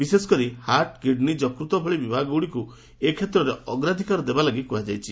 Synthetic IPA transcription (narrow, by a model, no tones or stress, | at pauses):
bisesɔ̥kɔɾihaɾʈkiɖnid͡ʒɔkɾut̪ɔbʰʱɔɭibibʱaɡɔwɽiku | ekʰet̪ɾɔɾeɔɡɾad̪ʱikaɾɔd̪ebalaɡikuad͡ʒajt͡ʃʰi